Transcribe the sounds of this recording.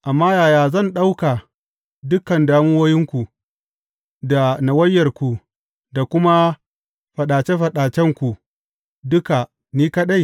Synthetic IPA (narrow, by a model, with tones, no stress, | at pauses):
ʔa˨mːaː˦jaː˨jaː˨zɐ˦˨nɗa˦wka˨ | dʊ˦kɐ˨ndaː˦mʊ˦woː˦jɪ˦ŋkʷu˨ | da˨na˨wɐ˦jːɐ˨rkʷu˨ | da˨kʷʊ˦ma˦ | ɸɐ˨ɗaː˨t͡ʃe˦ɸɐ˨ɗaː˨t͡ʃɛ˦ŋkʷu˨ | dʊ˦ka˨ | niː˦kɐ˦ɗa˦j